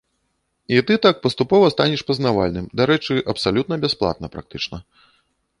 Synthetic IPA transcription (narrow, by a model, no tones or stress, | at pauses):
it̪ɨt̪ak̚pɐst̪upɔvɐst̪anʲɛʂpɐznava̰lʲnɨmd̪aɾɛt͡ʂɨʔɐpsalʲut̪nɐbʲɛsplˠa̰t̪nɐpɾa̰k̚t̪ɨt͡ʂnɐ